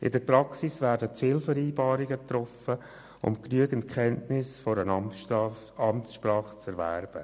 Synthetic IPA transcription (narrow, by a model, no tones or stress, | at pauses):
ʔɪdəɾprɑksisvæːɾdət͡sɪlfəɾiːbɑːɾiɡət̪ɾɔfə | ʊ̰mknyəɡən̩t̚kʰχɛntnɪsfɔɾən | ɑmtsʃpɾɑːχət͡sɛɾvæ̰ɾb̥ə